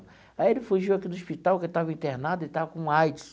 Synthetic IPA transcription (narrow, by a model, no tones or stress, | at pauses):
aielɪfuʒiwakid̪ʊospit̪awkɪt̪avɐĩnt̪eɾnad̪ʊɪt̪avɐkõũajt͡ʃʊ̥s